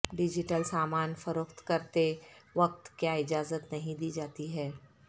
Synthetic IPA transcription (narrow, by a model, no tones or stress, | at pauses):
ɖɪd͡ʒɪʈəlsaːmaːnfəɾoːxt̪kɐɾt̪eʋɐk̚t̪kjaːɪd͡ʒaːzət̪nɐɦĩd̪iːd͡ʒaːt̪iɦɛː